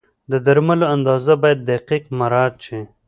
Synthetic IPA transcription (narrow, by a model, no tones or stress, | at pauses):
d̪əd̪aɾmaloand̪ɑːzabɑjad̪̚ːaqiqmaɾɑːɾ̚t͡ʃi